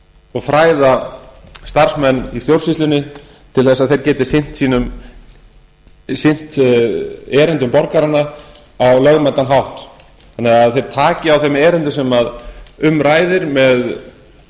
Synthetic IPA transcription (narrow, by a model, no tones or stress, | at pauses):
ɔɣfɾaːjða | st̪aɾ̥smɛnːiθjowɾ̥sist̪lʏnːɪ | t̪ʰɪlθɛsːaðθejɾcɛːt̪ɪ̥sɪn̥t̪siːnʏm | sɪn̥t̪ | ɛːɾɪnt̪ʏmpɔɾkaɾanːa | awlœɣmɛnt̪ːanɦawht̪ | θanːɪaaðθejɾ̥t̪ʰaːcɪawθɛmɛːɾɪnt̪ʏsɛmaðʏmɾaːjðɪɾmɛð